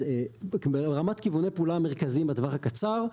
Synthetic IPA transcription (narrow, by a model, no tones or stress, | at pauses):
eeʁamatkivunejpːlameʁkazimbadvaχakat͡saʁ